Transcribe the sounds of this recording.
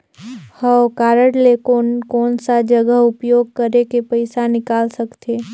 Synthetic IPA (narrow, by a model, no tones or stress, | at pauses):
həwkaːɾəɽlekonkɔːnsad͡ʒəɡəɦʊpjoːɡ̚kəɾekepəɪsanɪkaːlsəkt̪eː